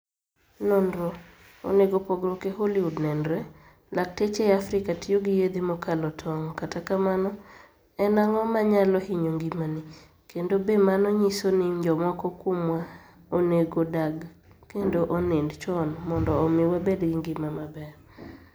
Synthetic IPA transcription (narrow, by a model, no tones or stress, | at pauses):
nɔndɾo | o̰neɡopɔɡɾokeholɪudnɛndɾɛ | lak̚tet͡ʃeafɾɪkatijoɡijed̪imɔkʰalɔtʰɔŋɔkatakamanɔ | ɛnaŋɔmaɲalɔhiɲoŋɡimanɪ | kendobemanɔɲisonɪd͡ʒɔmɔkɔkwomwa | oneɡodaɡ | kendoʔonendt͡ʃɔnmɔndɔːmɪwabedɡiŋɡɪmamabɛr